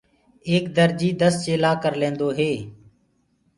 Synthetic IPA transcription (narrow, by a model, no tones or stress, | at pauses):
eːkd̪əɾd͡ʒiːd̪əst͡ʃeːlaːkəɾlẽːnd̪oːɦeː